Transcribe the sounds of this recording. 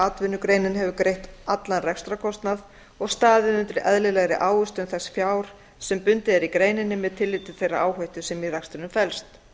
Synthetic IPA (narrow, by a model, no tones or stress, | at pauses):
aːt̪vɪnːʏkɾeːjnɪnhɛvʏkɾejht̪at̪lanrɛkst̪ɾakʰɔst̪nað | ɔɣst̪aːðɪðʏnt̪ɾɪʔɛðlɪlɛɣɾɪʔaːwʏst̪ʏmθɛsːfjaːwɾ̥ | sɛmpʏnt̪ɪɛɾikɾeːjnɪnːɪmɛðt̪ʰɪlːiːt̪ʏ̥θejra̰ʔaːwhœjht̪ʏ̥sɛmiɾakst̪ɪɾnʏmfɛlst̪